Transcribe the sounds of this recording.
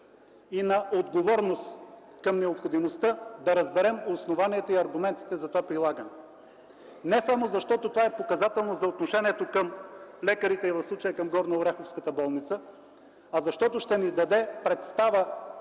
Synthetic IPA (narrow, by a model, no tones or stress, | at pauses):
inɐʔod̪ɡovɔɾnost̪ | kɐmnɛopxod̪imost̪əd̪ɐɾɐzbɛɾɛmosnovaniɛt̪oiɐɾɡʊmɛnt̪i̥t̪ɛzɐt̪ovapɾilˠaɡənɛ | nɛsamozɐʃt̪ɔt̪ot̪ovaɛpokɐzat̪ɛlˠnozɐot̪noʃɛnʲiɛt̪okəmlɛkəɾit̪ɛivɐfslˠut͡ʃəjəkɐmɡɔɾnɐoɾɛxofskət̪əbɔlˠnit̪sə | ɐzɐʃt̪ɔt̪oʃt̪ɛnid̪ɐd̪ɛpɾɛt̪st̪avə